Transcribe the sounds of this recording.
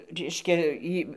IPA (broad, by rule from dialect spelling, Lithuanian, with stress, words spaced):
ˈrʲɛɪʃʲkʲɛ ˈiː